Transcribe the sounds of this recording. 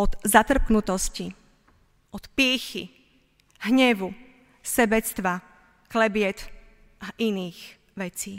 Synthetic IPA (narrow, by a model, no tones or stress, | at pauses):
ɔd̪zat̪r̩knut̪ɔsci | ʔɔt̪pɪɛxi | ɦɲɛʋu | sɛbɛt͡st̪ʋa | klɛbɪɛt̪ | ʔaʔiniːx | ʋɛt͡siː